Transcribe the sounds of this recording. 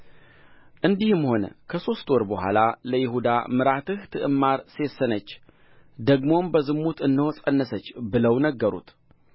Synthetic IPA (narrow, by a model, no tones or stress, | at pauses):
ʔɨnd̪ihɨmho̞nə̰kʰəso̞st̪wɔɾbəhʷa̰laləjɪɦud̪a̰mɨɾat̪ɨht̪ʰɨʔɨmːaɾse̞sːənət͡ʃː | d̪əɡmo̞mbəzɨmːut̪ɨnːɨhosʼənːəsət͡ʃːbɨləwnəɡːəɾṵt̪